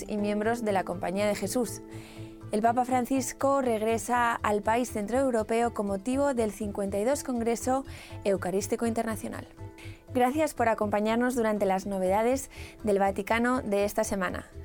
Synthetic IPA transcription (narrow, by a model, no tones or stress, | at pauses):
ḭmjẽ̞mbɾo̞zðe̞lako̞mpaɲiað̞e̞xe̞sus | e̞lpapafɾan̟θisko̞re̞ɣɾe̞saalpaisθe̞nt̪ɾoewɾo̞pe̞oko̞mːo̞t̪iβ̞o̞ðe̞lθiŋkwe̞nt̪ajðo̞sko̞ŋɡɾe̞so̞e̞wkaɾist̪iko̞int̪e̞ɾnaθjo̞na̰lɡɾaθjaspo̞ɾako̞mpaɲaɾno̞zðuɾant̪e̞lazno̞β̞e̞ð̞aðe̞zðe̞lβ̞at̪ikano̞ðe̞est̪ase̞mãna̰